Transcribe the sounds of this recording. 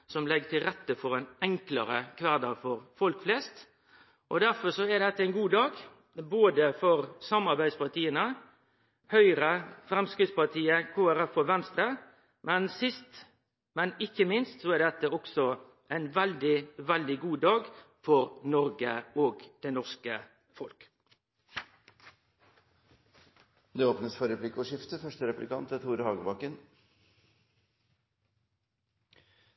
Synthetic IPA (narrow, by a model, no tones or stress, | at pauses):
sɔmlɛɡət̪ɪlɾɛt̪ːəfɔɾæɛɪnɛŋkləɾəkʰʋæɾd̪əɾfɔɾfɔlkflɛst̪ | ʔɔd̪æɾfɔsɔɛd̪ɛt̪ːəæɪnɡuːd̪ɑːɡ | boːd̪əfɔɾsɑmːɑɾbæɪd̪spɑʁt̪iːənə | hœʏɾəfɾɛmskɾɪt̪spɑt̪ʰiːəkʰoːæɾɛfːɔʋɛnst̪ɾə | mɛnsɪst̪ | mɛnɪkːəmɪnst̪sɔɛd̪ɛt̪ːəɔksɔ | ʔæɪnʋɛld̪ɪʋɛld̪ɪɡuːd̪ɑːɡ | fɔɾnɔɾɡəoːɡd̪̥ɛnɔʁskə | fɔlk | d̪ɛoːpnəsfɔɾɛpʰlɪkːɔʂɪft̪əfœʂʈəɾɛplɪkʰɑnt̪ət̪ʰuːɾhɑːɡəbɑkːən